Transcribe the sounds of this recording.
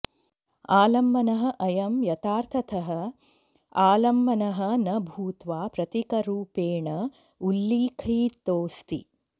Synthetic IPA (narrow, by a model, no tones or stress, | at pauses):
aːlɐmːɐnɐɦɐ̆ʔɐjɐmjɐt̪aːɾt̪ʰɐt̪ʰɐɦɐ̆ | aːlɐmːɐnɐɦɐ̆nɐbʱuːt̪ʋaːpɾɐt̪ikɐɾuːpeːɳɐ | ulːiːkʰiːt̪oːst̪ḭ